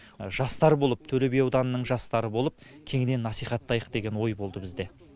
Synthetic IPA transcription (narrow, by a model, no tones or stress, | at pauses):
ʒɑst̪ɑɾbo̞lˠəp̚t̪ʰɵle̞bejɑwd̪ɑnənəɴʒɑst̪ɑɾəbo̞lˠəp̚ | kʲʰe̞ŋɪd̪e̞nːɑsijχɑt̪ːɑjəq̚d̪e̞ɡʲe̞nwo̞jbo̞lˠd̪əbɪzd̪e̞